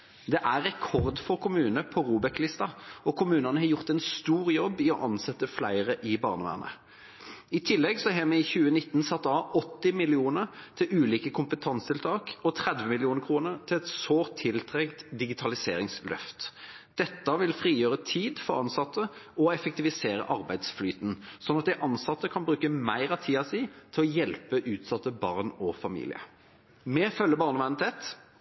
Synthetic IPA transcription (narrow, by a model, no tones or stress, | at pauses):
d̪ɛʔæʁɛkʰɔʁd̪fɔʁkʰʊmʉːnəpʰɔʁuːbɛklɪst̪ɑɔkʰʊmʉːnɑnəɦɑjʊʁt̪ɛnst̪uːʁjɔbːɪɔʔɑnsɛt̪ːəflæɪʁəʔɪbɑ̰ːʁnəʋæ̰ːʁnə̰ | ɪt̪ʰɪlːɛɡsɔɦɛːmɛɪçʉːənɪt̪ːn̩sɑt̪ːɑɔt̪ːɪmɪlɪuːnəʁt̪ʰɪʉːliːkəkʰʊmpət̪ʰɑnst̪ʰɪlt̪ʰɑːkɔt̪ʰʁɛd̪ʋəmɪlɪuːnəkʰʁuːnəʁt̪ʰɪlɛt̪soːʁt̪ʰːɪlt̪ʰʁɛkt̪d̪ɪɡɪt̪ʰɑlɪseːʁɪŋslœ̰ft̪ | d̪̥ɛt̪ːəʋɪlfʁiːjøːʁət̪ʰiːd̪fɔʁɑnsɑt̪ːəɔɛfɛk̚t̪ɪʋɪseːʁə̰ʔɑʁbæɪd̪sflyːt̪nsɔnɑt̪̚d̪ɪʔɑnsɑt̪ːəkʰɑnbʁʉːkəmæɪʁɑt̪ʰiːɑsiːt̪ʰɪlɔjɛlpəʔʉːt̪sɑt̪ːəbɑ̰ʁnɔfɑmḭːlɪ̰ə̰ | mɛːfœlːəbɑːʁnəʋæʁnt̪ʰeːt̪